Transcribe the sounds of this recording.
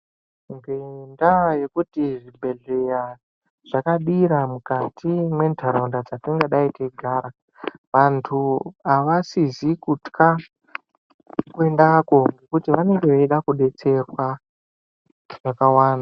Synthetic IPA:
ŋɡendaje̞kutiʐibʱe̞ɮe̞ja | ʐ̥akaɗiɾamukatʰimwe̞ntʰaɾaundad͡zatiŋɡeɗaiteɡʱaːɾa | ʋantʰuaʋasizikutkʰa | kue̞ndako̞ŋɡe̞kutiʋane̞ŋɡeʋeɗakuɗe̞t͡se̞rwa | ʐakawaːna

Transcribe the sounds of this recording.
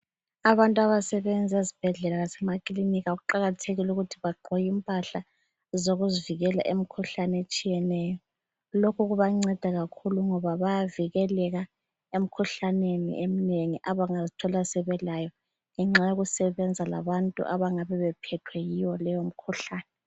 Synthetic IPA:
aβantʼuaβasɛβɛnd͡zʱazib̥ʱɛɮɛlaɣasɛmakʼiliniɣaɣuǃaɣatʰeɣiluɣutʰiβaɡ͡ǃʱɔjimpʼaɬa | zoɣuziviɣɛla̰ʔem̩kʰuɬanet͡ʃʼijɛnɛːjɔ | lokʰuɣuβaŋ͡ǀɛd̥ʱaɣakʰuluŋɔβaβajaviɣɛlɛɣa | em̩kʰuɬanenḭʔemineŋiʔaβaŋazitʰɔlasɛβɛlajɔ | ɛŋ͡ǁajoɣusɛβɛnd͡zʱala̰βantʼṵʔaβaŋaβɛβɛpʰɛtʰwɛjiwɔlɛjom̩kʰuɬaːnɛ

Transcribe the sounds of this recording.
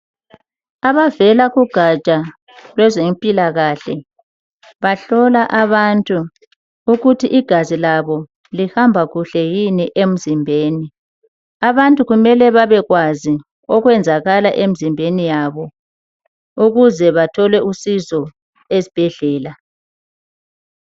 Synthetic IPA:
aβavɛlaɣuɡ̥ʱat͡ʃʼa | lwɛzempʼilaɣaɬɛ | βaɬɔlaʔaβantʼu | uɣutʰiʔːɡ̥ʱazilaβɔ | lihambʱaɣuɬɛjiniʔem̩zimbʱeːni | aβantʼuɣumɛlɛβaβɛɣwazi | ɔɣwɛnd͡zʱaɣala̰ʔem̩zimbʱenijaβɔ | uɣuzɛβatʰɔlwɛusizɔ | ezib̥ʱɛɮɛːla

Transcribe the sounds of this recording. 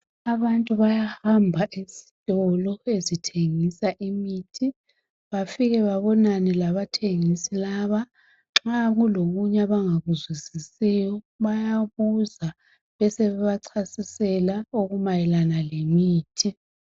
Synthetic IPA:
aβantʼuβajahambʱaʔisi̥tʼɔlɔezitʰeŋisaʔimiːtʰi | βafiɣɛβaβɔnanɛlaβatʰeŋisilaβa | ŋ͡ǁaɣuloɣuɲaβaŋaɣuzwisisijɔ | βajaβuza | βɛsɛβɛβaǀʰasisɛlaoɣumajɛlanalemiːtʰi

